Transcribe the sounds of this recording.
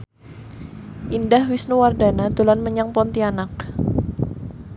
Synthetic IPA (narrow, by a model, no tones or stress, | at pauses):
ʔindahwisnuwardanat̪ulanməɲaŋpɔnt̪ianak̚